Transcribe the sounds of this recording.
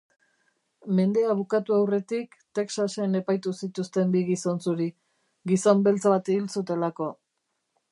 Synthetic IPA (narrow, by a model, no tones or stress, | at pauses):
me̞nd̪e̞aβ̞ukat̪uawre̞t̪ikt̪e̞ksase̞ne̞pajt̪usit̪ust̪e̞mbiɣiso̞nsuɾi | ɣiso̞mbe̞lt͡saβat̪iβilsut̪e̞lako̞